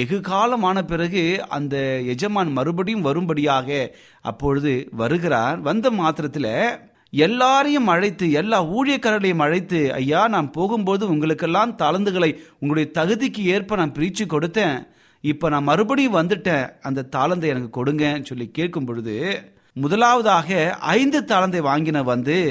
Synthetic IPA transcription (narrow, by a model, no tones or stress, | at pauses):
ɛɣɯɣaːlɐmaːnɐpɪrɐɣɯɐ̰nd̪ɐɛd͡ʒɐmaːnmɐɾɯbɐɽɪjɯmʋɐɾɯmbɐɽɪjaːɣɐ | ʔɐ̰pːɔɻɯðɯʋɐɾɯɣɪɾa̰ːɾʋɐnd̪ɐmaːt̪ɪɾɐt̪ːɪlɐ | ɛlːaːɾɐjɯmɐɻɐɪt̪ːɯɛlːaːuːɻɪjɐkːɐɾɐlɐjɯmɐɻɐɪt̪ːɯɐ̰jːaːnaːmpoːɣɯmpoːðɯʊŋɡɐɭɯkːɛlːaːmt̪aːlɐnd̪ɯɣɐɭɐɪʊŋɡɐɽɐjɐt̪ɐɣɯðɪkːɯeːɾpɐɳɐmpɪɾɪt͡ʃːɯkːɔɽɯt̪ːẽː | ɪpːoːnãːmːɐɾɯbɐɽɪjɯmʋɐnd̪ɯʈːẽːɐnd̪ɐt̪aːlɐnd̪ɐɪɛnɐkːɯkɔɽɯŋɡẽːnːɯsɔlːikeːʈ̚kɯmpɔːɻɯðɯ | mʊðɐlaːʋɐðaːɣɐɐ̰ɪnd̪ɯt̪aːlɐnd̪ɐɪʋaːŋɡɪnɐʋɐnd̪ɯ